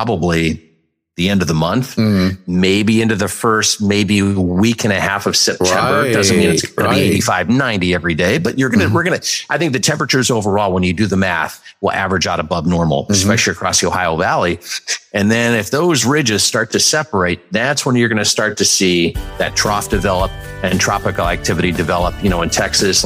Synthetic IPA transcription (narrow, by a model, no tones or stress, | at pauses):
ɑbəbli | ðiɛ̃ndʌvðəmʌ̃nθmeɪbiɪ̃ntʉðɨfɜ˞st̚meɪbiwikɨ̃nɨhæfʌv̥sɛp̚tʰɛ̃mbə˞dʌzɨ̃mĩnɨsʌnɨbieɪɾifaɪvnãɪ̃ntiɛvɹideɪbʌt͡ʃə˞ɡʌnɨwɪɹɡʌnɨʔaɪθɪ̃ŋk̚ðɨtʰɛ̃mpɹɨt͡ʃə˞ɨzoʊvə˞ɔlˠwə̃njɨdɨðɨmæ̰θwəʔæ̰vɹɨd͡ʒɑɾəbʌbnɔɹml̩ˠspɛʃl̩ˠiɨkʰɹ̥ɔsjoʊhaɪol̩ˠvælˠiɨ̃nðɨ̃nɨfðoʊzɹɪd͡ʒɨz̥stɑɹtʰɨsɛpə˞eɪt̪̚ðætswə̃njə˞ɡʌnɨstɑɹtʰɨsiðɨ̰tʰɹ̥ɔfd̥ɨvɛlˠəp̚ | ɨ̃ntʰɹ̥ɑpɨkl̩ˠæk̚tʰɪvɨɾidɨvɛlˠəp̚jɨñoʊɨ̃ntʰɛksɨs